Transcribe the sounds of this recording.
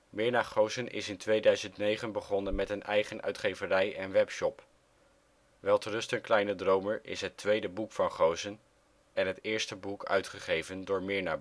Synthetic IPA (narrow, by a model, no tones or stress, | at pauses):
mɪːɹnaːχowzənʔɪ̰sɪntʋejdœɥzəntnejχənbəχɔnənmɛtənʔɛjχənœ̰ɥtχejvərɛjɛnʋɛpʃɔp | ʋɛlˠtərɵstənklɛjnədrowməɹʔɪ̰sɦətʋejdəbukfɑnχowzən | ɛnɦətɪːɹstəbukʰœ̰ɥtχəχejvəndʊːɹmɪːɹnaːb